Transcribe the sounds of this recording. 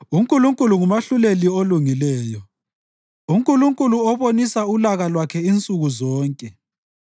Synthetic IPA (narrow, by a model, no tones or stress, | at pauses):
uŋkʼuluŋkʼuluŋumaɬulelioluŋilɛːjɔ | uŋkʼuluŋkʼuluɔβonisaulaɣalwakʰɛint͡sʼuɣuzɔːŋkʼɛ